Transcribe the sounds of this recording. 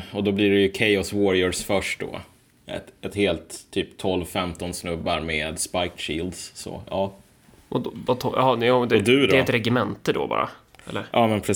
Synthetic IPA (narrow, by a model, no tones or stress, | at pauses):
ɔd̪ɔbliɾɛjɵkʰajɔswɔɾɪəsfœʂʈd̪ɔ̰ | ɛ̰t̪ɛt̪heːlt̪ʰːyːpt̪ʰːɔlvfɛmt̪ɔnsnɵbːaɾmeːd̪spajkɕiːld̪ssɔ̰ɑː | ʔɔd̪vat̪ʰɔjɑ̰hɑnjad̪ɛd̪ɵd̪ɛɛt̪ɾɛɡɪmɛnt̪əd̪ɔ̰bɑ̰ːɾa̰ | ɛ̰lːəɾʔɑːmɛnpʰɾɛ